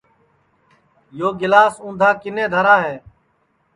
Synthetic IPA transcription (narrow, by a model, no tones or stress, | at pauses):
joːɡɪlaːsũːnd̪ʱaːkɪnẽːd̪ʱəɾaːɦeː